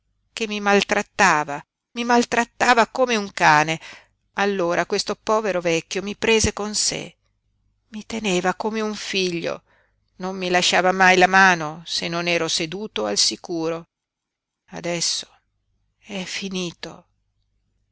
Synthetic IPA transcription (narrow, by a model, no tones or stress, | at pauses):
k̟emːimalt̪ɾat̪ːaːva | mimalt̪ɾat̪ːaːvakomeuŋkaːne | alːoːɾʔakwest̪opɔːveɾovɛkːjomipɾeːzekonsḛ | mit̪eneːvakomeuɱfiʎːo̰ | nomːilaʃːaːvamajlamaːnosenːonɛːɾosed̪uːt̪oalsikuːɾo | a̰d̪ɛsːo̥ | ɛfːiniːt̪o̰